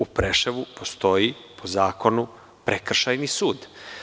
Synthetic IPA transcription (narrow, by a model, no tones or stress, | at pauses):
upɾeʃeʋupo̞st̪o̞ji | pʰozaːko̞nu | pɾekr̩ʃajnisuːd̪